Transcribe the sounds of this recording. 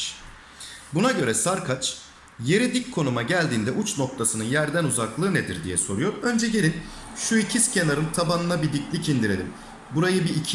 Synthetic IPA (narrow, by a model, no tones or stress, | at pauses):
bunaɟø̞ɾɛsaɾkʰat͡ʃ | je̞ɾid̪ickʰo̞numaɟælʲd̪iːnd̪ɛʔut͡ʃno̞k̚t̪ʰasɯnɯnjæɾd̪ænuzaklˠɯːned̪ḭɾd̪ijɛso̞ɾujo̞ɾø̞nd͡ʒɛɟe̞lʲin | ʃuicʰiscʰe̞naɾɯnt̪ʰabanɯnabid̪iclʲicʰind̪iɾe̞lʲim | buɾajɯbiːcʰ